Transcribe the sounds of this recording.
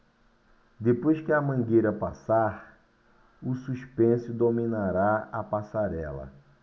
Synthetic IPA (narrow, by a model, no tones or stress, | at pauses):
d̪epojskɪɐmɐ̃ɡejɾɐpasaɾ | ʊsuʃpẽsʊd̪omĩnaɾaapasaɾɛ̰lɐ̰